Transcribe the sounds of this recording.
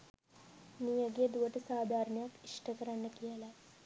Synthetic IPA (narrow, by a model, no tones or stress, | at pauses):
mijəɡejəd̪uʋəʈəsaːd̪ʱaːɾənəjakiʂʈəkəɾanːəkijəla